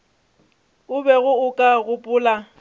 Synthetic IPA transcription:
ʊbɛɣʊʊkʼaɣʊpʼʊːla

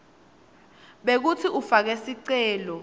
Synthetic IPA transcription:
ɓek̬utʰiʔufak̬ɛsiǀɛːlɔ

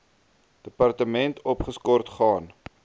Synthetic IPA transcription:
d̥əpɐrtəmɛntʰɔpχəskɔrtχɑːn

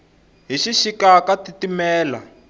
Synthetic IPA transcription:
ɦiʃiʃikakatitimɛːla̰

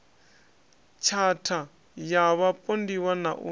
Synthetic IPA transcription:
t͡ʃʰatʰa | jaβapʼondiwanaʔṵ

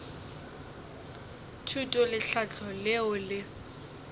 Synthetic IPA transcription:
tʰutʼɔlɪɬʰat͡ɬʰɔlɪʊlɪ

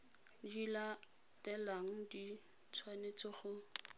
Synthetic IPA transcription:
dila | tɛlaŋ̩di | t͡sʰwanet͡sɔχʊ

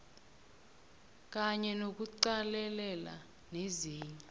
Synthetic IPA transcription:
k̬ʼaɲɛnok̬uǀalɛlɛla̰ | neziːɲɛ

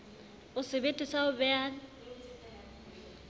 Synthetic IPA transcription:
ʊsɪbetʼisaʊbɛaːn̩

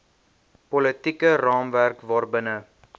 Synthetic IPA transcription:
pɔlətikərɑːmværkvɑːrbənə

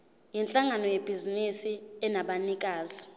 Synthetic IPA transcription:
jint͡ɬʼaŋanɔjeb̥ʱizinisiɛnaɓanik̬ʼaːzi

